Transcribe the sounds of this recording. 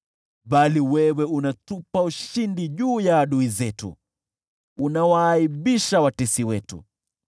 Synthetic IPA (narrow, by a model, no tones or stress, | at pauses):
ɓaliwɛwɛunatupauʃindiʄuːjaːɗuizɛtṵː | nawaːiɓiʃawatɛsiwɛtṵ